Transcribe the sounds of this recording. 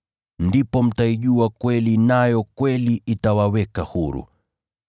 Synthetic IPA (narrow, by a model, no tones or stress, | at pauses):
ndipɔm̩taiʄuakwɛlinajɔkwɛliʔitawawɛkahuɾṵ